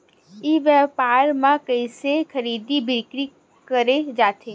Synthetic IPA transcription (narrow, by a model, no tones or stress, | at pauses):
iʋjəpaːɾmãkəɪsekʰəɾiːd̪ibɪkɾi | kəɾed͡ʒaːt̪ʰe